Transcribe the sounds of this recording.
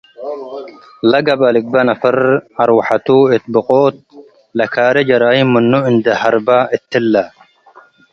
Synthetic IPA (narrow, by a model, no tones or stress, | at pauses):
lɐɡɐbɐlɪk̚bɐnɐfɐɾɐɾwaħat̪uɪt̪̚bɨqʼoːt̪̚ | lɐkʰaːɾɛd͡ʒɐɾaːjimʊnːuɪnd̪ɐhɐɾbaɪt̪ːɪlːa